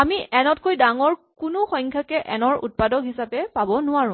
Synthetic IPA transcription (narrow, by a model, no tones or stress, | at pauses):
amiɛnɔtkojdaŋɔɹ | kʊnʊxɔj̃ŋkʰjakɛʔɛnɔɹṵt̚padɔkɦisapɛpabɔnʊaɹʊ̃